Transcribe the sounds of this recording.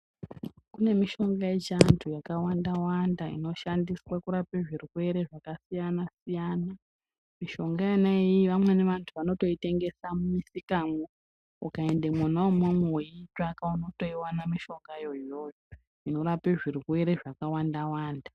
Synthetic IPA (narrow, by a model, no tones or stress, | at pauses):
kune̞miʃo̞ŋɡajet͡ʃantʰujakawandawandaḭno̞ʃandiswakuɾapeʐirwe̞ɾe̞ʐakasijanasijana | miʃo̞ŋɡainaejiʋamwe̞ne̞ʋantʰuʋano̞to̞ite̞ŋɡe̞samumisikamo | ukae̞ndemwanaomwemewoitakauno̞to̞iwanamiʃo̞ŋɡajo̞jo̞ːjo | ino̞ɾapeʐirwe̞ɾe̞ʐakawandawaːnda